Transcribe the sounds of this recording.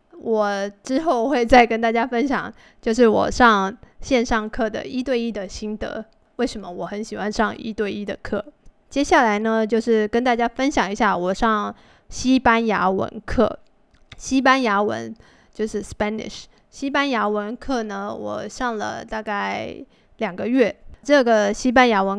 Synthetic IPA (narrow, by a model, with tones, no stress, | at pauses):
wʔɔ˨˩ʈ͡ʂɻ̩˥xo˥˩ʊxwe˥˧ɪt͡sa˥˩ɪkə˥nt̪a˥˩t͡ɕja˥fə˥nɕjɑ̰˨˩˦ŋ | t͡ɕjo˥˧ʊʂɻ̩˥˩wɔ̰˨˩ʂɑ˥˧ŋɕjɛ˥˧nʂɑ˥˧ŋkʰɤ˥˩d̪ə̰˩i˥t̪we˥˧ɪi˥˩d̪ə˨ɕi˥nd̪ə̰˧˦ | we˥˩ɪʂə˧˥nmə˧wɔ˨˩xə˧˥nɕi˨˩xwa˥nʂɑ˥˧ŋḭ˥t̪we˥˧ɪi˥˩d̪ə̰˩kʰɤ˥˩ | t͡ɕjɛ˥ɕja˥˩la˧˥ɪnə˧˦t͡ɕjo˥˧ʊʂɻ̩˥˩kə˥nt̪a˥˩t͡ɕja˥fə˥nɕjɑ˨˩ŋi˧˥ɕja˥˩wɔ˨˩ʂɑ˥˩ŋ | ɕi˥pa˥nja˧˥wə̰˧˥nkʰɤ̰˥˩ | ɕi˥pa˥nja˧˥wə̰˧˥n | t͡ɕjo˥˧ʊʂɻ̩˥˩spa˥nɪ̰˨˩ʂ | ɕi˥pa˥nja˧˥wə˧˥nkʰɤ˥˩nə˩wɔ̰˨˩ʂɑ˥˩ŋlə̰˩t̪a˥˧ka˥˩ɪ | ljɑ˨˩ŋɡə˦ɥɛ˥˩ʈ͡ʂɤ˥˩ɡə˩ɕi˥p̬a˥nja˧˥wə˧˥n